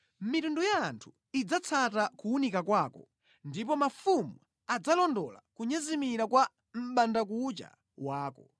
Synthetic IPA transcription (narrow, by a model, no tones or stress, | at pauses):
mitundujaːntʰu̥ | id͡zat͡sʰatakuunikakwaːkɔ | ndipɔmafumu | ad͡zalɔndɔla̰kuɲɛzimiɾakwa | m̩ɓandak̬ut͡ʃa̰ | waːkɔ